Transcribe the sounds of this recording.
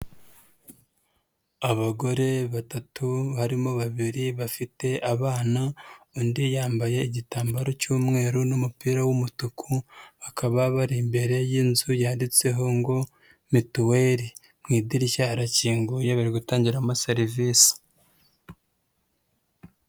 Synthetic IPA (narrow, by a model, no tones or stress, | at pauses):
aβaɡo̞ɾe̞βatatuhaɾimo̞βaβiɾiβafite̞ʔaβaːnaondijaːmbaje̞iɟitaːmbaɾo̞cuːmŋe̞ːɾunumupiːɾawumutukʰuβakʰaβaβaɾimbe̞ɾe̞jinzujaːndit͡se̞ɦo̞ŋɡo̞ | mituweːɾi | mŋiːdiɾiʃaɾaciːŋɡuje̞βaɾiɡutaːɲɟiɾamaseɾivisi̥